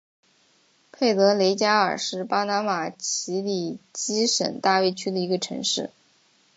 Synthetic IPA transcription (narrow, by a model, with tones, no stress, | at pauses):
pʰe˥˩ɪt̪ɤ˧˥le˧˥ɪt͡ɕja˥ə̰˞˨˩ʂɻ̩˥˩pa˥na˧˥ma˨˩t͡ɕʰi˧˥li˨˩t͡ɕi˥ʂə̰˨˩nt̪a˥˧we˥˧ɪt͡ɕʰy˥d̪ə˨i˧˥ɡə˧ʈ͡ʂʰɤ̰˧˥ŋʂɻ̩˥˩